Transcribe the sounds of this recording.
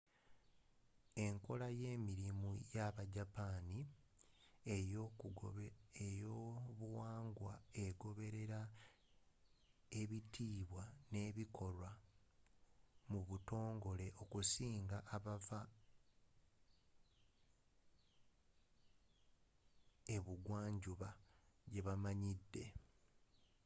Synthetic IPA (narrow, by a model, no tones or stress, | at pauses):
e̞ŋko̞laje̞ːmiɾimujaβaɟapaːni | ejoβuwaːŋɡwaeɡo̞βe̞ɾe̞ɾa | e̞βitʰiːβwane̞ːβikʰo̞ɾwa | muβuto̞ːŋɡo̞le̞ʔo̞kusiːŋɡaʔaβava | e̞βuɡwaːɲɟuβaɟe̞βamaɲidːe̞